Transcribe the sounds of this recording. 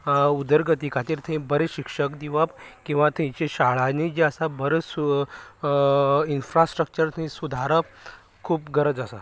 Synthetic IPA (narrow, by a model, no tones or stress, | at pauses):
ud̪əɾɡət̪ikat̪iːɾt̪ʰẽbəɾeɕikʂəkd̪iʋapkĩw̃ʋat̪ʰẽt͡ɕeɕaɭanid͡ʑiəsabəɾesu | infɾasʈɾək̚t͡ɕəɾt̪ʰĩsud̪ʱaɾəp | kʰuːpɡəɾəd͡zəsa